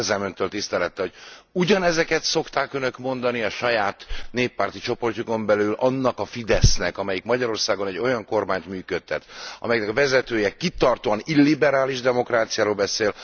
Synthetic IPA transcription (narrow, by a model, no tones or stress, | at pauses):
zɛmønt̪øːlt̪ist̪ɛlɛt̪ːɛɦo̞ɟuɟɒnɛzɛkɛt̪so̞kt̪aːkønø̞kmo̞nd̪ɒniɒʃɒjaːt̪neːpːaːrt̪it͡ʃo̞po̞rcuko̞mbɛlylɒnːɒkɒfid̪ɛsnɛkɒmɛjikmɒɟɒɾo̞rsaːɡo̞nɛɟːo̞jɒŋko̞rmaːɲt̪myːkøt̪ːɛt̪ɒ̰mɛjɛknɛkvɛzɛt̪øːjɛkit̪ɒrt̪oːɒnilːibɛɾaːliʒd̪ɛmo̞kraːt̪sijaːɾoːlbɛseːl